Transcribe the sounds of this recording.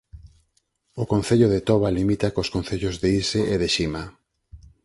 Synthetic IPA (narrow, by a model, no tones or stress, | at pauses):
okon̟θeʎoðet̪ɔβalimit̪akoskõn̟θeʎozðeiseʔeðeʃima